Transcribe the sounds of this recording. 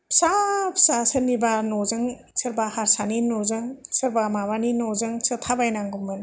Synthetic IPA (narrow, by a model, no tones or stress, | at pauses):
sapʰsasɯnibanɔzɯŋ | sɯɾbahaɾsaninozɯŋsɯɾbamabaninɔzɯŋsɯtʰabajnaŋɡumɯn